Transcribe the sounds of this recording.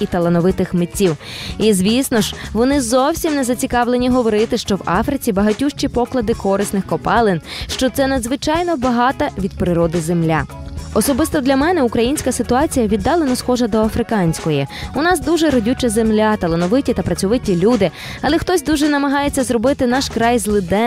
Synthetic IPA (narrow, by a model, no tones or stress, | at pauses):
it̪ɐlˠɐnɔʋɪt̪ɪxmetʲːiwizʲʋʲisnɔʒʋɔnɪzɔwsʲimnezɐt͡sʲikɑʋlˠenʲiɦɔʋɔɾɪt̪ɪʃt͡ʃɔwɑ̰fɾɪt͡sʲibɐɦɐtʲuʃt͡ʃʲipɔklˠɐd̪ɪkɔɾɪsnɪxkɔpɑlˠɪnʃt͡ʃɔt̪sɛnɐd̪zʋɪt͡ʃɑjnɔbɐɦɑt̪ɐʋʲid̪̚pɾɪɾɔd̪ɪzemlʲaɔsɔbɪst̪ɔd̪lʲɐmɛnɛukɾɐjinʲsʲkɐsɪt̪ʊɑt͡sʲijɐʋʲid̪ːɑlˠenɔsxɔʒɐd̪ɔɐfɾɪkɑnʲsʲkɔjiʊnɑsd̪uʒɛɾɔdʲut͡ʃɐzemlʲat̪ɐlˠenɔʋɪtʲit̪ɐpɾɐt͡sʲʊʋɪtʲilʲud̪ɪ | ɐlˠɛxt̪ɔsʲd̪uʒɛnɐmɐɦɑjet͡sʲːɐzrɔbɪt̪ɪnɑʃkɾɑjzlˠɪd̪ɛ